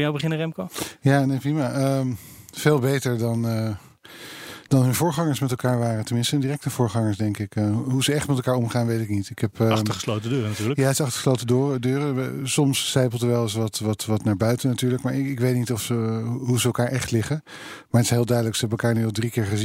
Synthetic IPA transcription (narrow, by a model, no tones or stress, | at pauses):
jawbəχɪnərɛmkojaːnejprimaːʔəmv̥eːlˠbejtəɹdɑnə | dɑnɦɵnvʊːɹχɑŋəɹsmɛtɛlˠkaːɹʋaːrətəmɪnstəəndiːrɛk̚təv̥ʊːɹχɑŋəɹsdɛŋkɪkɦuzəɛχtmɛtɛlˠkaːɹɔmχaːnʋejtɪknitɪkɦɛpəχəslowtədøːrənatyːɹləjaːətsɑχtə̥χəslowtədoːrədøːrəsɔmsːɛjpəl̩ˠdəʋɛlˠɪs̬ʋɑtʋɑtʋɑtnaːɹbœɥtənatyːɹləkmaːɹɪɪkʋejtnitɔfsəɦuzəːlˠkaːɹʔɛχtlɪχə | maɹətɪ̥sɦeːlˠdœɥdələksəɦɛbəɛlˠkaːɹnyɑlˠdrikɪːɹχəzi